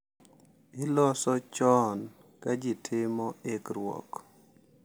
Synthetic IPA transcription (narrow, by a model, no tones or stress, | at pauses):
ɪlɔsɔt͡ʃɔn | kad͡ʒɪtʰɪmɔekɾwɔ̰k